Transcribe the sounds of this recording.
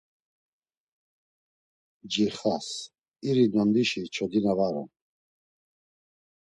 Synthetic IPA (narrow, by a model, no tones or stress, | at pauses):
d͡ʒiχas | iɾinɔnd̪iʃit͡ʃʰɔd̪inavaɾɔ̰n